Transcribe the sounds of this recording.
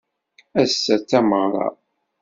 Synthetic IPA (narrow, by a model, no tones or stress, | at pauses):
æsːæt͡sːæməʁɾˤɑ̰